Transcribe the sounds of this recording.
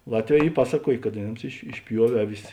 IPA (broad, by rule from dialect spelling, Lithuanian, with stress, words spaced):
ˈlˠɑːtʲˌʋʲɛː ˈiː ˈpɑːsɐˌkuɔjeː kɐt ɐˈnʲeːms ɪʃ ɪʃʲˈpʲjuɔʋʲeː ˈɑːˌʋʲɪs